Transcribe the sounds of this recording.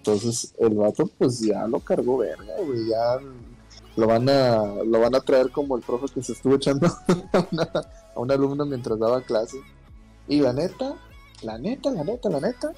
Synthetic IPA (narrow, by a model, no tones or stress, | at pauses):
ent̪o̞ns̬e̞se̞lβat̪o̞pwe̞s̬ʝa̰lo̞kaɾɣo̞βḛɾɣa̰ɣeʝa | loβanalo̞βanat̪ɾae̞ɾko̞mo̞elpɾo̞fe̞kese̞ːst̪uβo̞e̞t͡ʃand̪oaunaː | unalumnamje̞nt̪ɾazðaβaklase̞ | ilane̞t̪a | lane̞t̪alane̞t̪alane̞t̪a